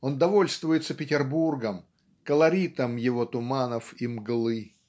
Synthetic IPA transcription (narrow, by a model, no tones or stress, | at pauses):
ond̪ɐvo̞lʲst̪vʊjɪt̪səpʲɪtʲɪrburɡəm | kəlˠɐɾʲit̪əmjɪvo̞t̪ʊmanəfimɡlˠɨ